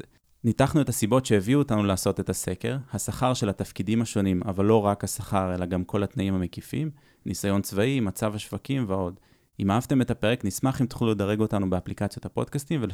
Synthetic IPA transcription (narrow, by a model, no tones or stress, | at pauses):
nitaχnue̞t̪hasibo̞t̪ʃe̞eviuotanulaːso̞t̪e̞tase̞ke̞ʁhasaχaʁʃe̞lat̪afkidimaʃo̞nimavalːo̞ʁakhasaχaʁe̞laɡamkʰo̞lat̪naimhamekifḭm | nʔisajo̞nt͡svaimat͡savhaʃvakimveo̞d | imaavt̪e̞me̞t̪ape̞ʁeknismaχimt̪χiluled̪aʁe̞ɡo̞tanubeaplikat͡sjot̪hapo̞d̥̪kast̪imvel